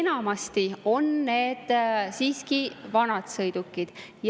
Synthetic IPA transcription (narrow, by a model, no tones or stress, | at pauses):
enɑmɑst̪io̞nːe̞ːd̪̥siːskivɑnɑd̪̥sɤjd̪̥ukːˑid̪̥ | j